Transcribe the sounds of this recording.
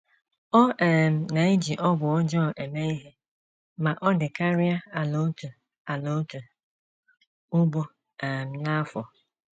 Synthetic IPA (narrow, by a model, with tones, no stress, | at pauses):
ɔ˦ʔɛ˨m̩˨na˨i˦d͡ʒi˨ʔɔ˦bʊ˨ɔ˦d͡ʒɔ˦˨e˨me˦i˦ɦe˦ | ma˨ʔɔ˦dɪ˨ka˦ɾɪ˦a˦a˨lo˦tu˨ | a˨lo˨˦tu˨ | ʊ˦ɡ͡bo˦ | ɛ˨m̩˨na˦fɔ˨